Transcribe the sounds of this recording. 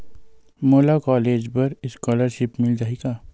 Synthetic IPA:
moːlakɔːleːd͡ʒpɐɾɪskɔːləɾʃɪpmɪlɾaːiɡaː

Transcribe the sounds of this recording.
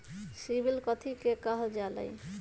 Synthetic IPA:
sibilkɔt̪ʰikekaɦod͡ʑala̰j

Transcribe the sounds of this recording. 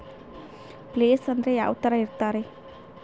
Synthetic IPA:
pleːsɐnd̪ɾeja̰ːʋɐt̪ɐɾɐiɾt̪aːɾe

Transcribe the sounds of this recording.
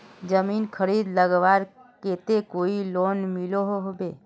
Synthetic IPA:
d͡ʒəminkʰəɾid̪ləɡbaɾket̪ekoilonmiloɦoɦobe

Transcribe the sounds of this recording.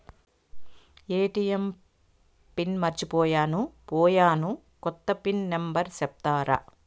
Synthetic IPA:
eːʈijem | pinmɐɾt͡ʃipɔːjaːnupɔːjaːnu | kɔt̪ːɐpinːembɐɾsɛp̚t̪aːɾɐ̰

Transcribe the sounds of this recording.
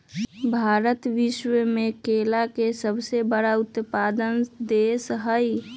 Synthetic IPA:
bʱaɾət̪ʋiʃwəmekelakesəbʱsebəɽaut̪pad̪ənd̪esɦəj

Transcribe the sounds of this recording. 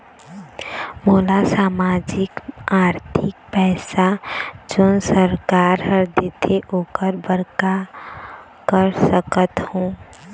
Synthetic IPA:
moːlasaːmaːd͡ʒɪkaːɾt̪ʰɪk̚pɛːsad͡ʒoːnsəɾkaːɾɦəɾd̪ɪt̪ʰeʔoːkəɾbəɾka | kəɾsəkət̪hõː

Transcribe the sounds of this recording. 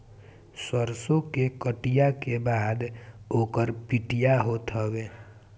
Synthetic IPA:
səɾsõkekəʈijakebaːd̪oːkəɾpiʈijaɦot̪ɦɔɡeː

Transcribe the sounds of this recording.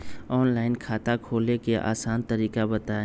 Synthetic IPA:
ɔːnlaːɪnkʰaːt̪akʰoːlekeʔa̰ːsaːnt̪əɾiːkabɐt̪aːe

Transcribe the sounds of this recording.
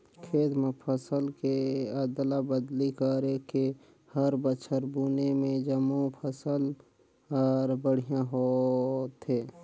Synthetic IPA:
kʰeːt̪mepʰəsəlkeəd̪labəd̪likəɾeke | həɾbət͡ʃʰəɾbuːnemẽd͡ʒəmupʰəsəl | ɔːɾbəɽ̤ijãɦoːt̪ɦeː

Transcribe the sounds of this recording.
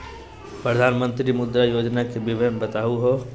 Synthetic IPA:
pɾəd̪ʱaːnmə̃nt̪ɾimʊd̪ɾajoːd͡ʒnakebɪʋəjmbɐt̪aːuɦo

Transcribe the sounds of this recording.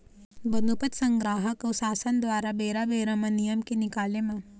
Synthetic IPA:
bɐnupət̪sɐ̃ŋɡɾaːɦəkɔsaːsənd̪ʋaːɾabeːɾabeːɾɐmɐnijəmkenɪkaːlemã

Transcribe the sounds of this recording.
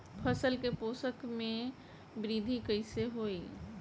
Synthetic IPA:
pʰəsəlkepoːsəkmẽ | bɾiːd̪ʱikəɪseɦoːi

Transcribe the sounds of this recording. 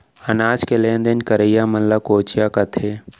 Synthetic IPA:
ɐnaːd͡ʒkelẽːnd̪enkɐɾəjamɐnlakoːt͡ʃijakɐt̪ʰeː

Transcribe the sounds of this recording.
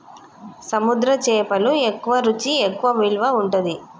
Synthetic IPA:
sɐmud̪ɾɐt͡ʃɛːpɐluekːuʋɐɾut͡ʃiekːuʋɐʋiɭʋɐuɳʈud̪i

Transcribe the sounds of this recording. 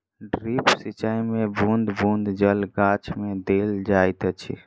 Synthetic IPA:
ɖɾipsit͡ʃajmebũnd̪bũnd̪d͡ʒəlɡat͡ʃʰmed̪eld͡ʒajt̪ət͡ʃʰḭ

